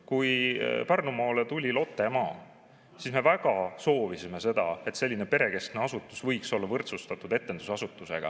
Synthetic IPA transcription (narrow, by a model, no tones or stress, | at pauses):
kujpærnumɑːlet̪ulʲilo̞t̪ːˑemɑː | sisme̞væɡ̥ɑso̞ːvisime̞se̞d̪̥ɑe̞t̪se̞lʲːine̞pe̞ɾe̞ke̞st̪neɑsut̪ːˑusvɤjkso̞lːɑvɤrt̪sust̪ɑt̪ːˑud̪e̞t̪ːend̪usɑsut̪ːˑuse̞̰ɡ̥ɑ̰